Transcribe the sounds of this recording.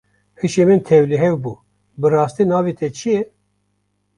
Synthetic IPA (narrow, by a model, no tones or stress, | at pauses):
hɨʃemɨnt̪ʰɛvliɦɛvbuː | bɨɾɑːst̪inɑːvet̪ʰɛt͡ʃʰijɛ